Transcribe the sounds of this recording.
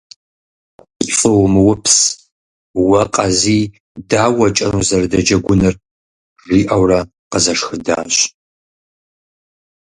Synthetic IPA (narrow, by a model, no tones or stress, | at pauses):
fʼɨwmɨwʊpʰs | wɐqʼɐziː | daːwɐt͡ʃʼɐnuzɐrdɐd͡ʒɐɡʷʊnɨr | ʐiːʔɐwrɐ | qəzɐʂxɨda̰ːɕ